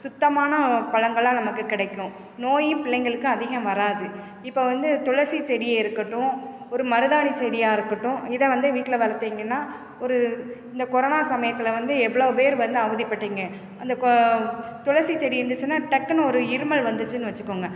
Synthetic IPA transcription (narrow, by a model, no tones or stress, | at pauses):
sʊt̪ːɐmaːnɐpɐlɐŋɡɐɭãːnɐmɐkːɯkɪɽɐɪkːʊ̃ | noːjɪpɪɭɐɪŋɡɐɭɯkːɯ̃ɐðɪɣɐmʋɐɾaːðɯ | ɪpːoːʋɐnd̪ɯt̪ʊɻɐɾsit͡ʃɛɽɪjeɪɾɯkːɐʈːʊ̃ | ɔɾɯmɐɾɯðaːɳit͡ʃɛɽɪjaːɪɾɯkːɐʈːʊ̃ɪðɐʋɐnd̪ɯʋiːʈːɪlɐʋɐɾɐt̪ːiːŋɡɐnːaː | ɔɾɯɪnd̪ɐkɔɾɐnaːsɐmɐjɐt̪ːɯlɐʋɐnd̪ɯɛʋːɐɭoːpeːɾʋɐnd̪ɯɐʋɐðipːɐʈːiːŋɡɐ | ɐnd̪ɐk | t̪ʊɻɐɾsit͡ʃɛɽiɪɾɯnd̪ɯt͡ʃːɯnːaːʈɐkːɐnɔɾɯɪɾɯmɐɭʋɐnd̪ɯt͡ʃːɯnːɯʋɐt͡ʃːɯkːoːŋɡɐ